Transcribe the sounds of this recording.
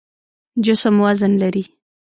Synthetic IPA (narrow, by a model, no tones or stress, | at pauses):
d͡ʒʊsəmwazənlaɾi